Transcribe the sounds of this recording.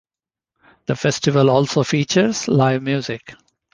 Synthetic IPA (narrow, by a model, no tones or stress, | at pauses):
d̪̥əfɛsʈɪʋəlɔːlsoːfiːt͡ʃəɾz̥laɪʋmjuːzɪk